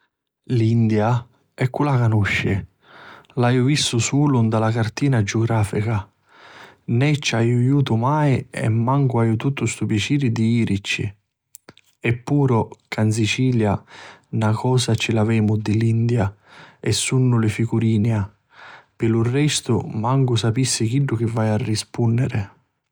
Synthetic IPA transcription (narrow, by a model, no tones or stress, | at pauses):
lind̪ja | ɛkːulakanuʃːɪ | lajʊvist̪ʊsuːlʊnd̪alakart̪iːnad͡ʒʊɡɾaːfika | nɛt͡ʃːajʊjuːt̪ʊmaːjɛ̰mːaŋkʊajʊt̪ut̪ːʊst̪upjat͡ʃiːɾɪd̪iiːɾʔit͡ʃːḭ | ɛpːuːɾʊkans̬it͡ʃiːljanakʰɔːsat͡ʃːɪlavɛːmʊd̪ɪlind̪jaɛsːunːʊlɪfiɡuɾiːnja | pɪlʊrːɛst̪ʊmaŋkʊsapisːɪkiɖːʊk̟ɪvːajarːispunːɪɾɪ